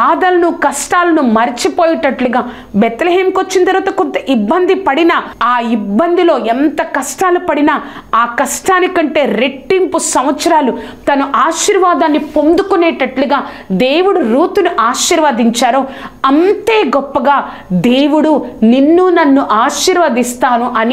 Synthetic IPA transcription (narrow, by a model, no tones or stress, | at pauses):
aːd̪ɐlɐnukɐsʈaːlɐnumɐɾit͡ʃipoːjɐʈɐʈluɡaː | bet̪leɦeːmkʋot͡ʃːinɐt̪ɐɾʋaːt̪ɐkont̪ɐʔibːɐnd̪ʱipɐɽinɐaːibːɐnd̪ilo̞ːɛnt̪ɐkɐsʈaːlupɐɽinɐ | aːkɐsʈaːnikɐɳʈe̞ːɾe̞ʈːimpusɐmɐt̪sɐɾaːlu | t̪ɐnuʔaːʃiːɾʋaːd̪aːnːipo̞nd̪ukunɛːʈɐʈluɡaːd̪eːwuɽuɾuːt̪unuʔaːʃiːɾʋɐd̪iɲt͡ʃaːɾo | ɐnt̪e̞ːɡɔpːɐɡaː | d̪e̞ːwuɽuninːunɐnːuʔaːʃiːɾʋɐd̪ist̪aːnuʔɐni